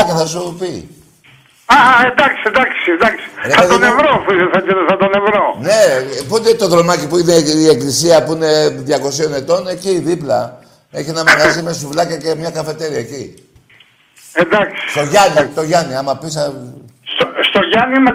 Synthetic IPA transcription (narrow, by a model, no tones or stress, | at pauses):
kɐθɐsupi | ɐend̪ɐksiend̪ɐksiend̪ɐksi̥esɐt̪onevɾofuisesɐzinesɐt̪one̞vɾone̞put̪et̪o̞ðɾo̞mɐcipuineie̞klisiɐpuine̞ðʝɐko̞sio̞ne̞t̪o̞ne̞ciðiplɐ | e̞çinɐmɐɣɐzimesuvlɐcɐce̞mɲɐkɐfe̞t̪e̞ɾiɐeci | end̪ɐksi̥st̪o̞ʝɐnit̪o̞ʝɐniɐmɐpis̬ɐsst̪oʝɐnime